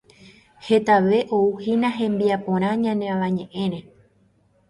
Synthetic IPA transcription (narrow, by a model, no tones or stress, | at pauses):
he̞t̪aʋe̞ʔo̞uhinãɦẽ̞mbiapõ̞ɾ̃ãɲãneãʋãɲẽ̞ʔẽ̞ɾẽ̞